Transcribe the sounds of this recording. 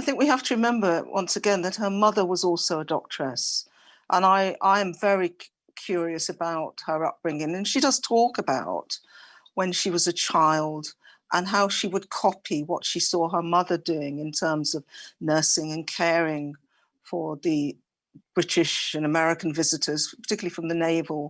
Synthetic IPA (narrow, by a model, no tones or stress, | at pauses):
aɪθɪ̃ŋk̚wiɦæftʰəɹɨmɛ̃mbə˞wʔʌ̰̃nsɨɡɛ̃nðɨt̚hə˞mʌðə˞wʌzɔlˠsoʊədɔ̰k̚tʰɹ̥əs | ʔə̃naɪʔaɪɨ̃ɱvɛɹi | kʰj̥ʊɹiɨsɨbaʊt̚hə˞ʌ̰p̚b̥ɹɪ̃ŋɪ̃ŋɨ̃nʃidʌz̥tʰɔkɨbaʊt̚ | wə̃nʃiwʌzɨt͡ʃʰaɪlˠd | ʔə̃nɦaʊʃiwəd̚kʰɑpʰiwʌtʃisɔə˞mʌðə˞dʉɪ̃ŋɨ̃ntʰɜ̃˞mzʌvnɜ˞sɪ̃ŋɨ̃nkʰɛɹɪ̃ŋ | fə˞ðɨ | b̥ɹɪɾɪʃɨ̃nəmɛɹɨkn̩vɪzɨɾə˞z̥pʰə̥˞tʰɪkjl̩ˠifɹʌ̃mðɨneɪvl̩ˠ